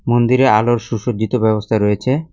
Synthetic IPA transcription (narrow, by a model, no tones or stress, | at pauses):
mond̪iɾealoɾʃuʃod͡ʑit̪obɛbost̪ʰaɾɔjet͡ɕʰe